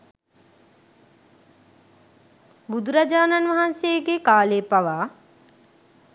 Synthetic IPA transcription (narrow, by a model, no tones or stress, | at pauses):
bud̪uɾad͡ʒaːnanʋaɦansejɡekaːleːpaʋaː